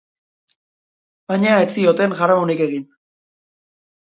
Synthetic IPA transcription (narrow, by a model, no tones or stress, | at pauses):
baɲaet͡sio̞t̪e̞nʝaɾamonike̞ɣ̞in